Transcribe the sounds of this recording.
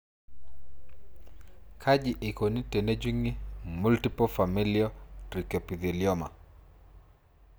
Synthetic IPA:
kʰad͡ʒi˨ʔe˨ko˨ni˦te˨ned͡ʒi˦ŋi˦multi˦pɔfa˨miliotɾi˨kɔ˨pi˨ði˨ljɔma̰˨

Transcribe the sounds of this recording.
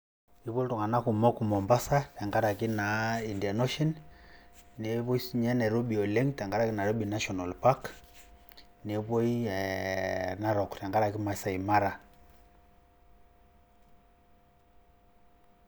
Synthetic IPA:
i˦βo˦ltu˨ŋa˨na˦ku˨mɔ˦ku˨mɔ˨mba˦sa˦tɛ˨ŋɡa˦ɾa˨ki˦na˨i˨nda˨nɔ˦ʃɔ˦n | ne˨βɔ˦i˦sɲɛ˦na˨ɾo˦ɓi˨ɔ˨le˦ŋtɛ˨ŋɡa˦ɾa˦˨ki˦na˨ɾo˦bina˦ʃɔ˨na˨lpa˦k | ne˨βɔ˦i˦ɛ | na˦ɾɔ˨ktɛ˨ŋɡa˦ɾa˨ki˦ma˨i˨sa˨i˨ma˦ɾa˨

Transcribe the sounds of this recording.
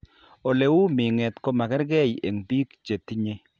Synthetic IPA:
o˨le˨wu˦mɪ˨ŋɛ˨t̪ko˦ma˨kɛ˦ɾɡɛ˦˨je˨ŋbi˦kt͡ʃe˨ti˦ɲe˦

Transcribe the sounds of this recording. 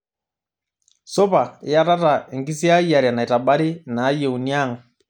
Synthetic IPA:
so˦pa̰˨˦ja˦ta˦ta˨ɛ˨ŋɡi˦si˦a˦ja˨ɾja˨na˨i˨ta˨ba˦ɾi˦naː˨˦jɛ˨u˨nja˦ŋ˨

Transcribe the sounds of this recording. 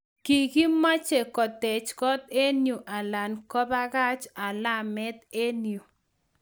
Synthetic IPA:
ki˨ki˦ma˦t͡ʃe˨kɔ˨tɛ˨t͡ʃkɔ˦t̪e˦nju˨ʔa˨la˨nkɔ˦ba˦ka˦t͡ʃa˨la˦˨mɛ˦t̪e˦nju˨

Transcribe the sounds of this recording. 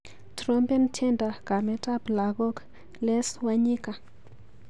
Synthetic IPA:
tɾo˦mpɛ˦ntʰe˦nda˨ɡ̥a˨mɛ˦ta˦bla˨ɡo˦k | lɛ˦swa˦ɲi˦ka˨

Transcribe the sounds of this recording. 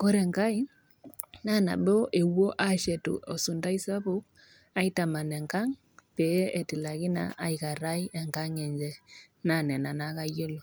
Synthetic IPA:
kɔ˦ɾɛ˨ŋka˦i˦ | na˦na̰˨bɔ˦ʔe˨wo˦ʔa˦ʃɛ˨tṵ˨ʔɔ˨su˨nda˦i˦sa˦pu˦k̚ | a˦ita˨ma˨nɛ˨ŋka˦ŋ | pɛ˨˦e˨ti˨la˨ɡi˦na̰˨ʔa˨jka˨ɾa˦jɛ˨ŋka˦ŋɛ˨ɲd͡ʒɛ˦ | na˦˨nɛ˨na˨na˦ka˦jo˦lo˨

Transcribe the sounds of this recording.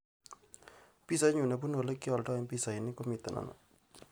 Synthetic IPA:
pi˦sa˦ɲu˨na˨p̬u˦no˨le˦ki˦ɔ˨lʈɔ˦e˦mpi˦˨sa˨i˨nɪ˦ko˦mi˨t̪a˨nʔa̰˨na̰˨

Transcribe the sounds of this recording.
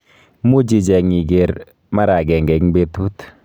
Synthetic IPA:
mu˦d͡ʒi˨d͡ʒɛ˨ŋi˨ɡe˨ɾ | ma˦ɾa˨ɡɛ˨ŋɡɛ˨ŋbe˦tu˦t

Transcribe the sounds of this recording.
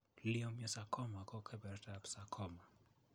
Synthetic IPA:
liɔ˦mja˨sa˨kʰɔ˦ma˨kɔ˦kʰɛ˦bɛ˨ɾtapsa˨kʰɔma˨

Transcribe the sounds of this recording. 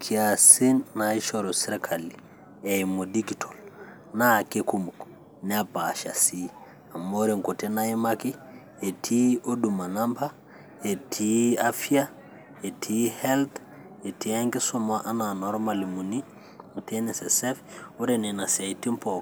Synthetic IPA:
kʰi˦asi˦nːai˦ʃoɾo˨si˦ɾekʰali | e˨imo˨di˦ɡitol | na˦kekumu˨k | nɛapaʃa̰˨si | a˨mːo˦ɾe˨ŋko˨te˦na˦imaki˦ | e˨tʰi˦o˦du˨ma˨nampa | e˨tʰi˦afia | e˨tʰihɛlt̪ | e˨ti˦a˦ŋki˦soma˦ʔa˦na˨nɔ˨ɾmalimu˨ni˦ | mu˨tenesesefu˦ɾene˨na˨sai˨ti˦mpo

